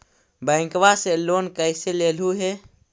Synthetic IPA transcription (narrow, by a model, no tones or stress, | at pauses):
bə̃ɪ̃ŋkʋaselonkəɪselel̤uɦe